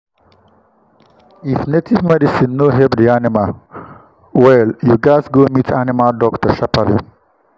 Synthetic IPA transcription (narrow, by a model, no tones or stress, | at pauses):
ifnetʰimaɾisinːoɦebd̪iaːnima | weljuːɡaːsɡoːmitʰanimaɖɔːktɐʃɐpalḭ